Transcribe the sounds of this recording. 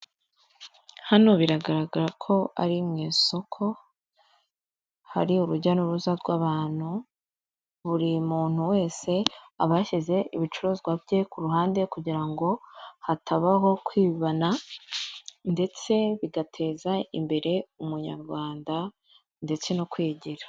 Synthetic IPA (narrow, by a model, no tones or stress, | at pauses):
hano̞βiɾaɡaɾaɡaɾakʰo̞a̰ɾimŋiːso̞kʰo̞ | ha̰ɾiuɾuɟanuɾuzaɾɡwaβaːn̥hu | βuɾimuːn̥huwe̞ːse̞aβaʃize̞iβit͡ʃuɾozɡwavje̞kuɾuɦaːnde̞kuɟiɾaŋɡo̞hatʰaβaɦo̞kwiːβana | nde̞t͡se̞βiɡatʰe̞ːzaḭmbe̞ɾe̞umuɲa̰ɾɡwaːnda | nde̞t͡se̞nokwiːɟiɾḁ